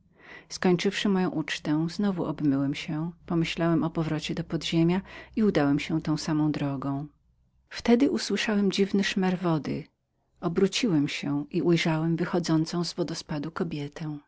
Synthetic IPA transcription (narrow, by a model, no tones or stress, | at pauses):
skɔɲt͡ʂɘfʂɘmɔjɔ̃w̃ʔut͡ʂt̪ɛ̃znɔvuʔɔbmɘwɛmɕɛpɔmɘɕlawɛmʔɔpɔvɾɔt͡ɕɛd̪ɔpɔd̪ʑemʲjaiud̪awɛmɕɛ̃t̪ɔ̃w̃samɔ̃w̃d̪ɾɔɡɔ̃w̃ | ft̪ɛd̪ɘʔuswɘʂawɛmd͡ʑivnɘʂmɛɾvɔd̪ɘ̰ | ɔbɾut͡ɕiwɛmɕɛʔiujʐawɛmvɘxɔd̪zɔnt̪sɔ̃w̃zvɔd̪ɔspad̪ukɔbʲjɛt̪ʰɛ̃w̃